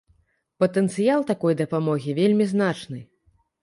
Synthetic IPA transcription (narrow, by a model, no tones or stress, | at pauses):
pɐt̪ɛnt̪sɨjalˠt̪akɔjd̪ɐpamɔɣʲivʲelʲmʲiznat͡ʂnɨ